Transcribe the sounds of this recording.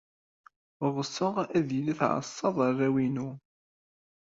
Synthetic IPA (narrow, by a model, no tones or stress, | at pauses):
ʁˤəsːəʁæðilæθʕə̰sˤːɑðˤərːæwinu